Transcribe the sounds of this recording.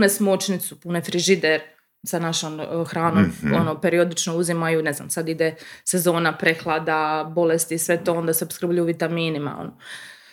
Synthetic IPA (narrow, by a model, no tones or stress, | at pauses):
punesmot͡ʃnit̪supunefɾiʒid̪eɾ | sanaʃoːmxɾaːnomonope̞ɾiod̪it͡ʃnouzimajune̞zna̰msad̪id̪ese̞zo̞ːnapɾexlˠad̪abo̞lest̪isʋe̞t̪o̞o̞nd̪aseopskɾ̩bʎujuʋit̪amiːnima̰o̰no